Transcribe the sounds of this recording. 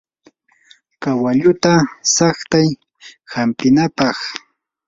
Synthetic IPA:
kawaʎʊt̪asaχt̪aj | hampɪnapɑχ

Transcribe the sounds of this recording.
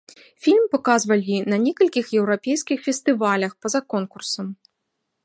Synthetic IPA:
fʲilʲmpɐkazvɐlʲinɐnʲɛkɐlʲkʲixjɛwɾapʲejskʲixfʲɛst̪ɨvalʲɐxpɐzɐkɔnkursɐm

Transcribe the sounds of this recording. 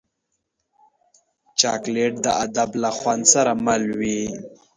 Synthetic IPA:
t͡ʃɑ̰kleʈ̚d̪əad̪ablaxwand̪saɾamalwi

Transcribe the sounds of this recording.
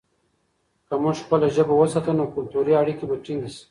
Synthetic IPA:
kamʊʐxpəlaʒəbawəsat̪ənokʊlt̪uɾiaɽikibaʈ͡ʂiŋɡis

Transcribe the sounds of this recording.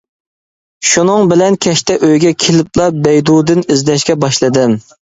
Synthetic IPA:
ʃunɨŋbɪlɛnkʲʰɛʃt̪ɛʔøjɡʲɛkʲʰelɪplˠɑbɛjd̪ud̪ɨnizd̪ɛʃkʲɛbɑʃlˠɨd̪ɨm

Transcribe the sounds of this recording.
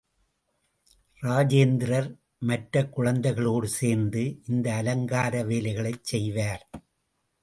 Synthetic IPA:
ɾaːd͡ʒeːnd̪ɪɾɐɾ | mɐʈɾɐkːʊɻɐnd̪ɐɪɣɐɭoːɽɯseːɾnd̪ɯʔɪnd̪ɐːlɐŋɡaːɾɐʋeːlɐɪɣɐɭɐɪt͡ʃsɛjʋaːɾ

